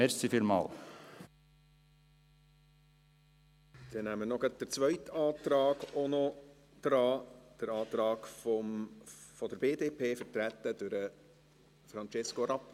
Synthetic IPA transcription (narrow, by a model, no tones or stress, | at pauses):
ɛɾsifilmɑ̰ːl | d̪̥ɛnæmənɔɡət̪̚d̥əɾt͡sʋœʏt̪ɑːt̪ɾɑːɡonɔ | d̥̪ɾɑːd̥əɾɑːt̪ɾɑːɡ | fɔd̥̪əɾbeːdeːpʰeːfəɾtɾæt̪ːəd̥øɾə | fɾɑnt͡ʃɛskoɾɑp